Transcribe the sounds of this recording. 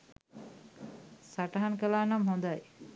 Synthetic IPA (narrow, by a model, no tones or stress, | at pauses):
saʈɐɦankəlaːnamɦond̪aj